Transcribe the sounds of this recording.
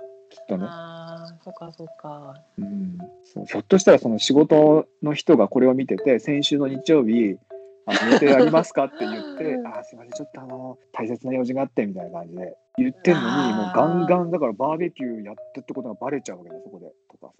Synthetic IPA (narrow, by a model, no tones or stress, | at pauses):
kʲʰi̥t̪ːane̞ | okaoka | ɯ̟̃ɴ | so̰ːso̞t̪ːoɕi̥t̪aɾaso̞no̞ɕiɡo̞t̪o̞no̞çi̥t̪o̞ɡako̞ɾe̞o̞mʲit̪e̞t̪e̞sẽ̞ɰ̃ɕɨːno̞ɲ̟it͡ɕijo̞ːbʲi | anojet̪eaɾʲimasɨ̥kat̪ːe̞jɯ̟t̪ːe̞asomad̪et͡ɕo̞t̪ːo̞ano̞t̪ʰaise̞t͡sɨnajo̞ːʑĩŋɡaːt̪ːemʲit̪ajnakãɲ̟d͡ʑid̪e̞ | jɯ̟t̪ːe̞nːo̞ɲ̟imo̞ːɡãŋɡãnd̪akaɾabaːbe̞kʲɨːjat̪ːat̪ːeko̞t̪oɡabaɾe̞t͡ɕaɯ̟βaked̪eso̞ko̞d̪e̞̰t̪o̞ka̰